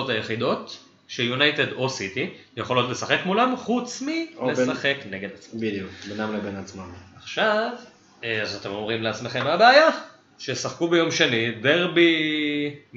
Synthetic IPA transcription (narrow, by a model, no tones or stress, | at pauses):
ot̪ajeχid̪ot | ʃejunajt̪e̞d̪o̞sit̪i | jeχo̞lo̞tle̞saχe̞kmulamχut͡smilesaχe̞kne̞ɡe̞d̪at͡sabid̪iukbenamlebenat͡smamaχʃav | eazat̪e̞mo̞mʁimleat͡smeχe̞mabeaja | ʃesaχkubejo̞mʃenid̪eʁbi